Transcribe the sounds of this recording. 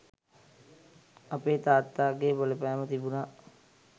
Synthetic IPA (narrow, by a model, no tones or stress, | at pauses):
apeːt̪aːt̪ːaːɡeːboləpɛːmət̪ibunaː